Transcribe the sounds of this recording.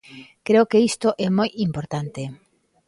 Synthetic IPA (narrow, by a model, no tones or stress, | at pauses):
kɾeokeist̪oʔɛmojimpoɾt̪ant̪e